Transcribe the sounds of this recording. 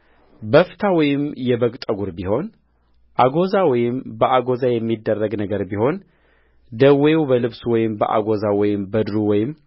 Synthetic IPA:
bəft̪ʰawɔjɪmjɛbəkʼt̪ʼəɡuɾbiho̞n | ʔaɡo̞zawɔjɪmbəʔaɡo̞zajɛmːid̪ːərːəɡnəɡəɾbiho̞n | d̪əwewbəlɨβswɔjɪmbəʔa̰ɡo̞zawɔjɪmbəd̪ɾuwɔjɪm

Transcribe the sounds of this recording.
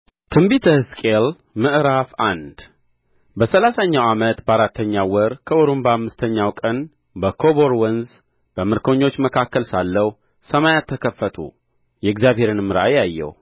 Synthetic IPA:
t̪ʰɨmbit̪ʰəhskʼel | mɨʔɾafand̪ | bəsəlasaɲːawamət̪bəaɾat̪ʰːəɲːawɔɾkʰəʔoɾombəhamːɨst̪ʰəɲːawkʼən | bəkʰoβo̞ɾwənz | b̥əmɨɾkʰo̞ɲːo̞t͡ʃːməkʰakːəlsalːəw | səmajat̪ʰːəkʰəfːət̪ʰṵ | jɛɡzjaβɦhe̞ɾɨnmɨɾʔajajːɛ̰w

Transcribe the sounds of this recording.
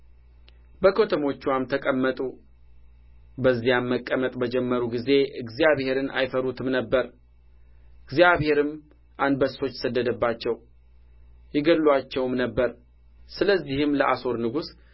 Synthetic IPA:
bəkʰo̞t̪ʰəmo̞t͡ʃːwamt̪ʰəkʼəmːət̪ʼu | bəzːijamːəkʼːəmət̪ʼbəd͡ʒɛmːəɾuɡize̞ʔɨɡzijaβhe̞ɾɨnʔa̰jfəɾut̪ʰɨmnəbːəɾ | ʔɨɡzijaβhe̞ɾɨm | ʔand̪bəso̞t͡ʃːsəd̪ːəd̪əbːat͡ʃːɛw | jɪɡəlːwat͡ʃːɛwmnəbːəɾ | sɨləzːihɨmləʔaso̞ɾnɨɡus

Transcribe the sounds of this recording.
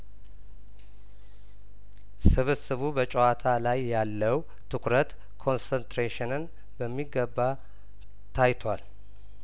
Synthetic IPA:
sɨβɨsɨβubət͡ʃʼɛwat̪ʰalajːalːəw | t̪ʰɨkɾət̪ | kʰo̞nsənt̪ɾeʃɪnɨn | bəmːiɡːəbːa | t̪ʰajt̪ʰwal

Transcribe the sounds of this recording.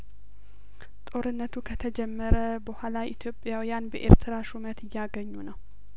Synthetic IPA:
t̪ʼo̞ɾɨnːət̪ʰukʰət̪ʰəd͡ʒɛmːəɾəbəhʷalaʔit̪ʰjo̞pʼjawijanbəʔḛɾt̪ʰɨɾaʃumət̪ʰɨjːaɡəɲːunəw

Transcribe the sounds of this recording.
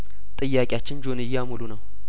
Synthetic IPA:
t̪ʼɨjːakʼɪjat͡ʃːɪnd͡ʒonɨjːamulunəw

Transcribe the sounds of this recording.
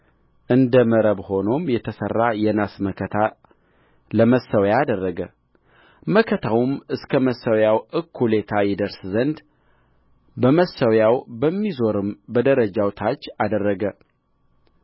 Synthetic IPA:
ʔɨnd̪əməɾəβho̞no̞mjɛt̪ʰəsə̰rːajɛnasməkʰət̪ʰa | ləməsːəwjaːd̪ərːəɡə | məkʰət̪ʰawʊmɨskʰəməsəwjawɨkʰːule̞t̪ʰajɪd̪əɾszənd̪ | bəməsəwjawbəmːizo̞ɾɨmbəd̪əɾəd͡ʒawt̪ʰat͡ʃːad̪ərːəɡə

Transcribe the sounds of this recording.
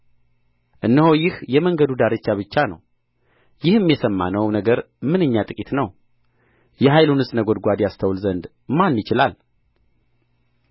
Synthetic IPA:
ʔɨnːəhojɪhjɛməŋɡəd̪ud̪aɾɨt͡ʃːaβɨt͡ʃːanə̰w | jɪhɨmːjɛsəmːa̰nəwnəɡəɾ | mɨnɨɲːat̪ʼɨkʼit̪nəw | jɛɦajlunɨsʼnəɡod̪ɡʷad̪jast̪ʰəwlzənd̪ | manːjɪt͡ʃɪlal

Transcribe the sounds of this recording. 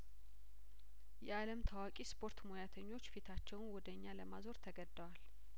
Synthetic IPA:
jɛaləmt̪ʰawakʼispʰo̞ɾt̪mojat̪ʰəɲːo̞t͡ʃːfit̪ʰat͡ʃːɛwnwɔd̪əɲːaləmazo̞ɾt̪ʰəɡəd̪ːəwal

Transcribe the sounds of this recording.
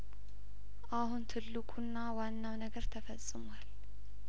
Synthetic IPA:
ʔahunt̪ʰɨlːɨkʼunːawanːawnəɡəɾt̪ʰəfəsʼɨmal

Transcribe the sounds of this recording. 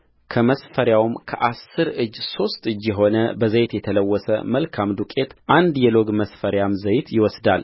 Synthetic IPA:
kʰəməsfəɾjawmkʰə̰ʔasːɨɾɨd͡ʒːso̞st̪ɨd͡ʒːjɛɦo̞nəbəzəjt̪jɛt̪ʰələwːɔsə̰məlkʰamd̪ukʼe̞t̪ʔand̪jɛlo̞ɡməsfəɾjamzəjt̪jɪwɔsd̪al

